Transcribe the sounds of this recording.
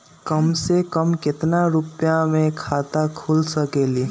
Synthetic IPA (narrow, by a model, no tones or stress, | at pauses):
kəmsekəmkɪt̪naɾʊpjãmẽkʰaːt̪akʰuːlsəkeːli